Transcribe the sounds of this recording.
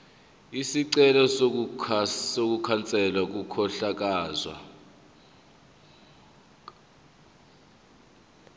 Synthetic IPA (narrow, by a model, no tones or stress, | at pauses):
isiǀɛlɔso | sok̬ukʰant͡sʼɛlwak̬ukʰɔɬak̬aːzwa̰